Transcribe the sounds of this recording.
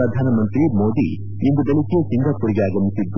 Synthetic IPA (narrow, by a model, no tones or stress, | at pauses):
ɾɐd̪ʱaːnɐmɐnt̪ɾimoːd̪ḭ | end̪ubelikɛjɐsiŋɡaːpːuɽiɡeaːɡɐmisid̪